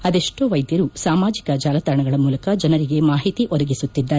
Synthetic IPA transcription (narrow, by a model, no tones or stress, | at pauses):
ɐd̪eʂʈoːʋɐjd̪jɐɾusaːmaːd͡ʒikɐd͡ʒaːlɐt̪ɐɾɐɳɐɡɐɭɐmuːlɐkɐd͡ʒɐnɐɾiɡe̞maːɦit̪iʔɔd̪ɐɡisut̪ːid̪ːaːɾe